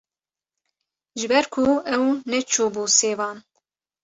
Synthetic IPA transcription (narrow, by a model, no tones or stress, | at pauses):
ʒɨbɛɾkʰuɛwnɛt͡ʃʰuːbuːseːvɑːn